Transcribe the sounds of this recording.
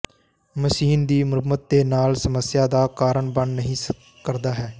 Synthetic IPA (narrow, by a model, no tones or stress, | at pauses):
məʃiːnd̪iːməɾmət̪̚d̪eːnaːlsəməsɪjaːd̪aːkaːɾəɳbənːəɦĩː | kəɾd̪aːɦɛː